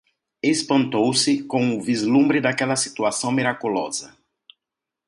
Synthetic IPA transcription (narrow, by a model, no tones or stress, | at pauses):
espɐ̃nt̪owsɪkõw̃ʊvizlũmbɾɪd̪akɛlɐsi̥t̪uasɐ̃w̃miɾakulɔ̰zɐ